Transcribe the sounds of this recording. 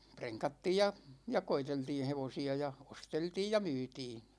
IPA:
preŋkɑtːiːj jɑ jɑ koiteltiːn̞ heʋosiɑ jɑ osteltiːj jɑ myːtiː

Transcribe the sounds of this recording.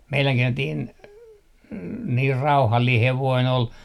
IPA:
meilæŋki entiːn niːr rɑuhɑlːiː heʋoin ol

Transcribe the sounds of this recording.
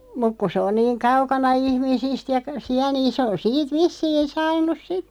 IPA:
muk ku sĕ on niːŋ kɑukɑnɑ ihmisist jɑ siæ niːn se on siːt ʋisːiːn̞ sɑːnˑus sit

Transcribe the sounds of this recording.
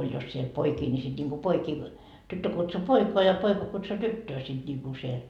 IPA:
olʲ jos siel poikiː nʲi sit nʲiŋku poikiː tytːø kutsu poikoɑ jɑ poikɑ kutsu tytːøː sit niku siel

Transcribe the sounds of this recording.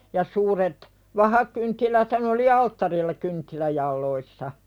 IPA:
jɑ suːret ʋɑhɑkyntːilæthæn oli ɑltːɑrilːɑ kyntːilæjɑlːoisːɑ

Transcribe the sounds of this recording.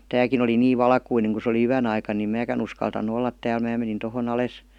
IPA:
tæːkin oli niːʋ ʋɑlkuineŋ ku se oli yæn ɑikɑn nim mæːkæn uskɑltɑnːu olːɑt tæːl mæː menin tohon ɑles

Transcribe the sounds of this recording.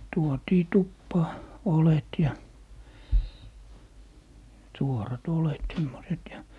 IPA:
tuotiː tupːɑː olet jɑ suorɑt olet semːoset jɑ

